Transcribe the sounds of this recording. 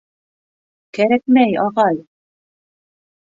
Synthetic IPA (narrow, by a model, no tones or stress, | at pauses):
kæɾækmæjɑʁɑj